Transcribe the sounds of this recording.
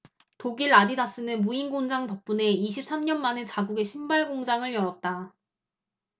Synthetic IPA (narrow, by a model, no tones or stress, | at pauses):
toɡiɾadidas͈ɯnɯnmuinɡoŋd͡ʑaŋtʌp̚p͈une̞iɕʰip̚s͈amɲʌnmane̞t͡ɕaɡuɡe̞ɕʰimbaɭɡoŋd͡ʑaŋɯɭjʌɾʌt̚t͈a